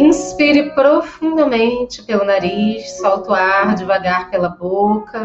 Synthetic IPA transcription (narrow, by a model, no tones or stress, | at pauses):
ĩspiɾɪpɾofũnd̪ɐmẽnt͡ʃɪ̥pelʊnaɾiʃsawt̪ʊaɾd͡ʒɪvaɡaɾpelɐbokɐ